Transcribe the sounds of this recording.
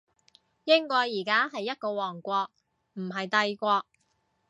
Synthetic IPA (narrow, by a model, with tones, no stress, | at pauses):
jɪ˥ŋkɔː˧jiː˨˩kaː˥ɦɐ˨jːɐ˥t̚kɔː˧wɔː˨˩ŋkʷɔː˧k̚ | m̩˨˩ɦɐ˨jt̪ɐ˧jkʷɔː˧k̚